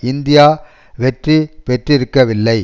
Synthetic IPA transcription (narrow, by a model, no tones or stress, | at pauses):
ɪnd̪ɪjaː | ʋɛʈripɛʈrɪɾɯkːɐʋɪlːɐɪ